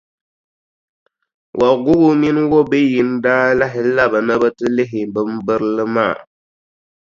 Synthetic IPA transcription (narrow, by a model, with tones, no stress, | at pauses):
wʔa˨ɡʊ˦ɣʊ˦mi˦n˦wo˦be˦ji˦n˦daː˦la˦ɦɪ˨˦la˦ba˨na˦ba˦tɨ˦lɪ˦ɦɪ˨bɨ˦m˦bɨ˦ɾlɨ˦ma̰ː˦˨